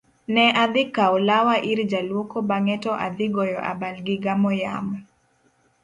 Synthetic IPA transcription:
nɛʔad̪ɪkaɔlawaʔiɾd͡ʒalwokobaŋɛtɔʔa̰d̪ɪɡɔjɔʔa̰balɡɪɡamɔja̰mɔ

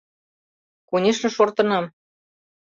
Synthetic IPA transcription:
kunʲeʃnɤ̆ʃort̪ɤ̆nɑm

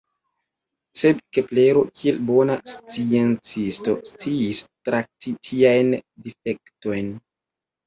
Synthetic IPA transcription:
se̞dkepleɾo̞kʰielbo̞nast͡sie̞nt͡sisto̞st͡siːstɾak̚tʰitʰiajndife̞kto̞jn

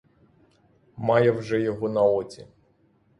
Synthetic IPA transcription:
mɑjɛwʒɛjɔɦɔnɐɔt͡sʲḭ

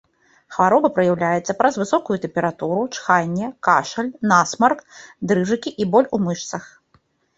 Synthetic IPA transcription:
xvaɾɔbɐpɾɐjawlʲajɛt̪sːɐpɾɐzvɨsɔkujut̪ɛmpʲɛɾat̪uɾut͡ʂxanʲːɛkaʂɐlʲnasmɐrkd̪ɾɨʐɨkʲiʔibɔlʲumɨʂt̪sɐx

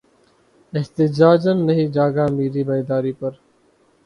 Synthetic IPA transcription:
ɪht̪ɪd͡ʒaːd͡ʒənːəɦĩːd͡ʒaːɡaːmiːɾiːbəid̪aːɾiːpəɾ

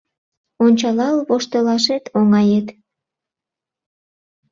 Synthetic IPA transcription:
onʲt͡ɕɑlɑlβoʃt̪olɑʃet̪ʰoŋɑjet̪

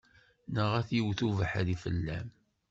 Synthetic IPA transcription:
nəʁæθjəwθuvəħaðifə̰lːæm

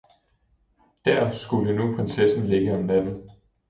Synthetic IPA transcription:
d̥æɐ̰sɡ̥ulənupʰʁɛnsesn̩le̝ɡ̥əɒmnæd̥n̩ˠ

